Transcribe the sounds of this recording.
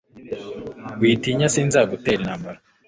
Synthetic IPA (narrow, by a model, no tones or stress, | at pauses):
ɡwiːtiːɲasiːnzaːɡuteɾinaːmbaɾa